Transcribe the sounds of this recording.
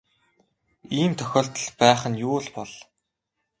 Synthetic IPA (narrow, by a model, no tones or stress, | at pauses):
iːnt̪ʰœxʲɔːɬt̪ə̆ɮpæːχə̆njuːɮpɔɮ̥